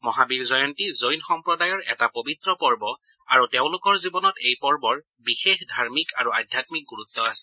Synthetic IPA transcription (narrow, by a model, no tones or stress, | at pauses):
mɔɦabiɹzɔjɔntizojnxɔmpɹɔdajɔɹɛ̰tapobit̪ɹɔpɔɹbɔ | a̰ɹuteʊ̃lʊkɔɹzibɔnɔtejpɔɹbɔɹ | bixexdʱaɹmikaɹua̰dʱjatmik̚ɡuɹut̪ːɔasɛ̥